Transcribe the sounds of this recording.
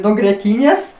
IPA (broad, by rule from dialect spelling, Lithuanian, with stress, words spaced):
nuɔ ɡrʲiɛˈtʲiːnʲeːs